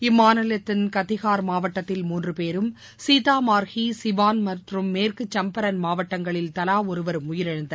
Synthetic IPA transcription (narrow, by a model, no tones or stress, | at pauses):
ɪmːaːnɐlɐt̪ːɐnkɐt̪ːɪɣaːɾmaːʋɐʈːɐt̪ːɪlmuːndrɯpeːɾɯm | siːt̪aːmaːɾɣisɪʋaːnmɐʈrɯmːeːrkɯt͡ʃːɐmpɐɾɐnmaːʋɐʈːɐŋɡɐɭɪlt̪ɐlaːɔɾɯʋɐɾɯmʊjɪɾɐɻɐnd̪ɐ